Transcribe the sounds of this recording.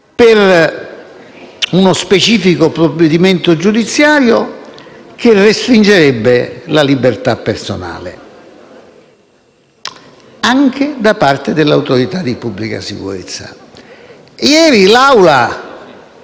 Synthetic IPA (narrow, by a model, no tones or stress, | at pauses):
pɪr | unospet͡ʃiːfikopɾobːed̪iment̪od͡ʒud̪it̪sːjaːɾjo | k̟ɪrːest̪ɾind͡ʒeɾɛbːelalibert̪apːerso̰na̰ːlɪ̰ | aŋk̟ɪd̪apart̪ɪd̪ɪlːawt̪oɾit̪ad̪ipubːlika̰sḭkṵɾḛt̪sːa̰ | jɛːɾilawla